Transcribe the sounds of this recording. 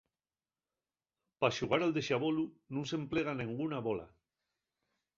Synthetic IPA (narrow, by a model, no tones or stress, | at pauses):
paʃuɣ̞aɾald̪eʃaβolununsempleɣ̞aneŋɡunaβola̰